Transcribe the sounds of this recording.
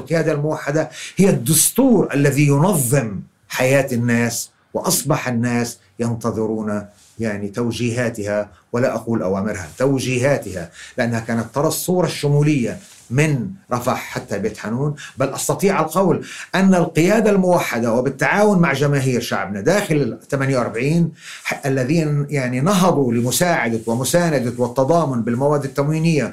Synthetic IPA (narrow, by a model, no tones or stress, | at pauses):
lqɨjaːd̪almʊwaħːad̪ahɪjːad̪ːʊst̪uːɾʔalːaðijʊnɑðˤːɨm | ħajaːt̪anːaːs | wɪʔɑsˤbɑħanːaːs | jɑnt̪ɑðˤɨɾuːna | jaʕnit̪awd͡ʒiːɦaːt̪ɪhawɪlaʔaquːlʔawaːmɪɾha̰t̪awd͡ʒiːɦaːt̪ɪhalɪʔanːahakaːnat̪ːɑɾˤɑsˤːuːɾˤɑʃːʊmuːlɪjːa | mɪnɾˤɑfaħħat̪ːabjɪt̪ħanuːnbalʔɑst̪ɑt̪ˤiːʕalqɑwlʔanːalqɪjaːd̪almʊwaħːad̪awɪbɪt̪ːaʕaːwʊnmaʕʒamaːɦiːɾʃa̰ʕbnad̪aːxɪlt̪amanjawʔɑɾˤbaʕiːn | ʔalːaðiːnjaʕninɑɦɑd̪ˤulɪmʊsaːʕad̪awɪmʊsaːnad̪awɪt̪ːɑd̪ˤɑːmʊnbɪlmawaːd̪ːɪt̪ːamwiːnɪjːa